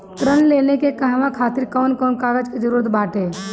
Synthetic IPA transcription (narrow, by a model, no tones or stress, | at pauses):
t̪ɾənleːnekekəɦʋãkʰaːt̪ɪɾkɔːnkɔːnkaːɾəd͡ʒked͡ʒəɾuːɾət̪baːʈeː